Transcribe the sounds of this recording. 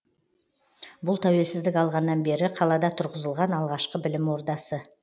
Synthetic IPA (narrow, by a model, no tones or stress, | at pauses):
bʊlˠt̪ʰæwe̞lsɪzd̪ɪkɑlˠʁɑnːɑnbe̞ɾɪqʰɑlˠɑd̪ɑt̪ʰʊɾʁəzəlˠʁɑnɑlˠʁɑʃqəbɪlɪmwo̞ɾd̪ɑsə